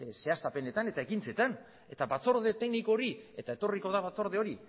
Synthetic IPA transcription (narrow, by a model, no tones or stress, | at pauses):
se̞ast̪ape̞ne̞t̪ane̞t̪aekint͡se̞t̪an | e̞t̪aβat͡so̞ɾðe̞t̪e̞knikoɾie̞t̪ae̞t̪o̞riko̞ðaβat͡so̞ɾð̞e̞o̞ɾi